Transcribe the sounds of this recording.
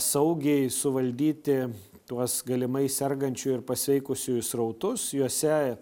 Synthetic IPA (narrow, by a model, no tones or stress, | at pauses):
sɐʊɡʲɛɪsʊʋɐlʲd̪ʲiːt̪ʲɪ | t̪uɔsɡɐlʲɪmɐɪsʲɛrɡɐnʲt͡ʃʲʊːɪɾpɐsʲʋʲɛɪkʊsʲʊjʊsrɐʊt̪ʊsjuɔsʲɛ